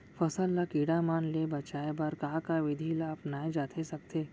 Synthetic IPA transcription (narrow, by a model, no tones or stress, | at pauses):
fɐsəlːakiːɽamaːnlebɐt͡ʃaːebɐɾkaːkaʋɪd̪ʱilaɐpnaːed͡ʒaːt̪ʰesɐk̚t̪ʰeː